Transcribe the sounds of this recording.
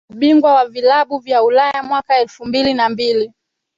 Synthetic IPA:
ɓiŋɡwawavilaɓuvjaulajamwakaɛlfumbilinambili

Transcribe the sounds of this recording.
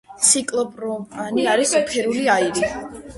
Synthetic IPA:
sikʼlˠɔpʼɾɔmʼaniaɾispʰɛɾuliaiɾi

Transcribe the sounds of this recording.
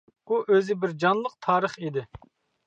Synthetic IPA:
uʔøzɪbɪɾd͡ʒɑnlˠəq̚t̪ʰɑːɾəχid̪ɪ

